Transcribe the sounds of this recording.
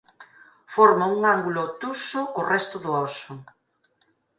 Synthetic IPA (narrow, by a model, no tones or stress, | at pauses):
fɔɾmauŋaŋɡulot̪usʊkorɛst̪ʊðʊɔsʊ